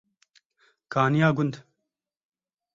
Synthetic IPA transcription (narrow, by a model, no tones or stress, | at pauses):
kaːnijaːɡʊnd̪